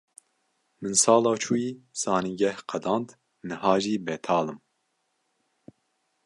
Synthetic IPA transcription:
mɨnsɑːlɑːt͡ʃʰuːjiːsɑːniɡɛhqʰɛd̪ɑ̃ːnd̪ | nɨhɑːʒiːbɛt̪ʰɑːlɨm

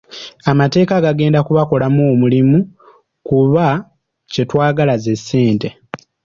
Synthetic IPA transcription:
amate̞ːkaɡaɡe̞ːndakuβako̞lamoːmulimu | kuβa | ce̞twaːɡalaze̞sːeːnte̞

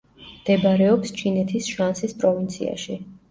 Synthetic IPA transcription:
md̪̥ɛbaɾɛɔpst͡ʃʰinɛt̪ʰisʃansispʼɾɔvint̪sʰḭa̰ʃi

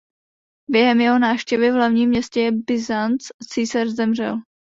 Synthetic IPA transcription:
bjɛɦɛmjɛɦo̞naːfʃcɛvɪvlavɲiːmɲɛscɛjɛbɪzant͡st͡siːsarzɛmr̝ɛ̰l

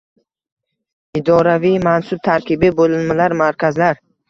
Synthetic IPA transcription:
id̪ɒɾavijmansʊb̚t̪ʰaɾkʰʲibibolɪlmalaɾmaɾkʲʰazlaɾ

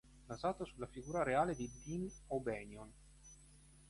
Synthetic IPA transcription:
nazaːt̪osulːafiɡuːɾaɾeaːled̪id̪inobɛːnjon

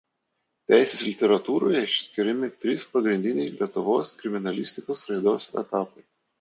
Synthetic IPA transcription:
t̪ʲæˑɪsʲeːslʲɪt̪ʲɛɾɐt̪uːɾoːjɛɪʃʲsʲkʲɪɾʲɛmʲɪt̪ʲɾʲiːspɐɡɾʲɪnʲd̪ʲɪnʲɛɪlʲiɛt̪ʊʋoːskɾʲɪmʲɪnɐlʲɪsʲt̪ʲɪkoːsɾɐɪd̪oːsɛ̰t̪ɑːpɐɪ

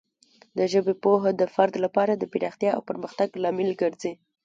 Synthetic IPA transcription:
d̪əʒəbepoɦod̪əfaɾd̪lapɑɾad̪əpiɾɑxt̪jɑa̰wpəɾməxt̪aɡlɑmɪlɡəɾze

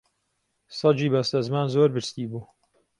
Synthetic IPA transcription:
sɑd͡ʒiːbɐst̪ɐzmaːnzoːɾbɨɾst̪iːbuː

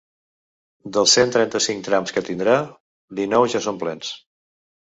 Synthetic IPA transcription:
d̪əlˠsent̪ɾɛnt̪əsiŋk̚t̪ɾamskət̪ind̪ɾa | d̪inɔwʒasomplɛns

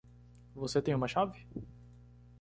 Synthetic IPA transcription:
voset̪ẽj̃ũmɐʃavɪ

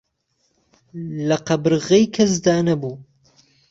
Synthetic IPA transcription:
lɐqɐbɨɾɨɣejkʰɐz̬d̪aːnɐbuː

